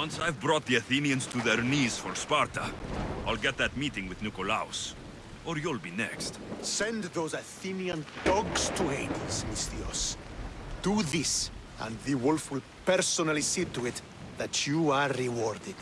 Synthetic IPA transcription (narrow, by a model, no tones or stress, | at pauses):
wʌ̃nsajvbɹɔt̪̚ðiɨθĩniɨ̃nz̥tʰuðɛɹniz̥fɔɹspaɹt̪ʰəaɪlɡɛt̪̚ðætmitɪ̃ŋwɪðnukɔla̰ʊs | ɔɹjulˠbinɛ̰kstsɛ̃ndðoʊzaθĩniə̃nd̥ɔɡstʰuheɪdismɪstiɔ̰s | d̥uðɪs | ə̰̃nðiwɪlˠfɪl | pɛɹsɔnəlised̚tuɪt̪ | ðɨt͡ʃʰuaːɪwɔɹdɪd̥